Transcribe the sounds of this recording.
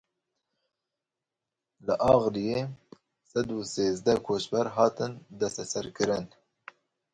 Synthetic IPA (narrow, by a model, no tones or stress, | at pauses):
lɨʔɑːɣlijeː | sɛd̪uːseːzd̪ɛkʰoːʃbɛɾɦɑːt̪ɨnd̪ɛst̪ɛsɛɾkɨɾɨn